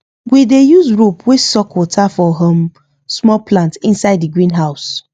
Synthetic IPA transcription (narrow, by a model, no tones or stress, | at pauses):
widejuzɹopʰwesɔkʰwɔtʰafɔɦɔ̃m | smɔplãntĩnsaɪddiɡɹĩnɦaʊs